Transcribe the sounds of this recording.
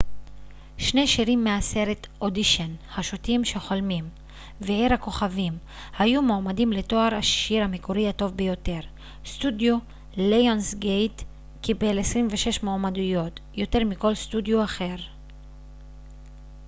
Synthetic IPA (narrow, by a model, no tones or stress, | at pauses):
ʃne̞ʃiʁimːease̞ʁetodiʃonhaʃutimʃeχo̞lmim | veiʁhako̞χavim | hajumoːmadimle̞to̞aʁaʃiʁhamikuʁihato̞vbejo̞te̞ʁ | studjo | lejonsɡejt | kibe̞lesʁimveʃe̞ʃmoːmadujo̞tjo̞te̞ʁmiko̞lstudjoaχe̞ʁ